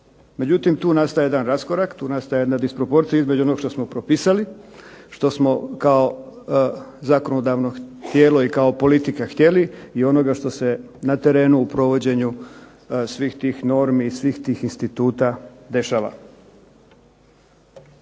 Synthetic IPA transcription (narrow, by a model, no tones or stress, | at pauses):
me̞d͡ʑut̪imt̪uːnast̪ajeed̪anɾaskoɾakt̪uːnast̪ajjd̪nad̪ispɾo̞po̞ɾt̪sijaizme̞d͡ʑd͡ʒuonoɡʃt̪osmo̞pɾo̞piːsali | ʃt̪o̞smo̞kao̞ | zako̞nod̪aʋno̞t̪je̞ːlo̞ikaopo̞lit̪ikaxt̪je̞liio̞no̞ɡaʃt̪o̞se̞ | nat̪e̞ɾe̞ːnuːpɾo̞ʋo̞d͡ʑe̞ɲu | sʋiːxt̪iːxno̞ɾmiːsʋixt̪iːxinst̪it̪uːt̪ad̪e̞ʃaːʋa̰